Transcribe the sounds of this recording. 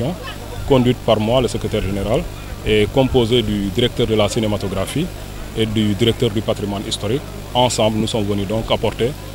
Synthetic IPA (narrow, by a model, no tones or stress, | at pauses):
ɔ̃ | kɔ̃d̪wɥit̪paɾmwaləsəkɾet̪ɛːɾʒeneɾal | ɛkɔ̃pozed̪yd̪iɾɛk̚t̪œːɾd̪əlasinemat̪oɡɾafi | ed̪yd̪iɾɛk̚t̪œːɾd̪ypat̪ɾimwanist̪oɾik̚ | ɑ̃sɑ̃mblnusɔmvənyd̪ɔ̃ŋkapɔrt̪e